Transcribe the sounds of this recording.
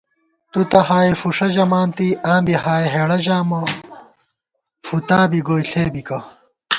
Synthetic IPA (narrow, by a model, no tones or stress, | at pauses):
t̪ut̪ɐɦaːifuʂɐʑɐmaːnt̪iãːmbiɦaːeɦeːɽɐʑaːmɐ | fut̪aːbiɡoːjɬeːbikɐ